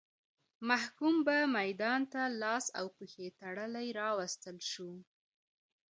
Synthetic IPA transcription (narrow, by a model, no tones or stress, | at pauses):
mahkumbamajd̪ɑnt̪alɑsa̰wpuxet̪aɽəlajɾɑwast̪əlʃu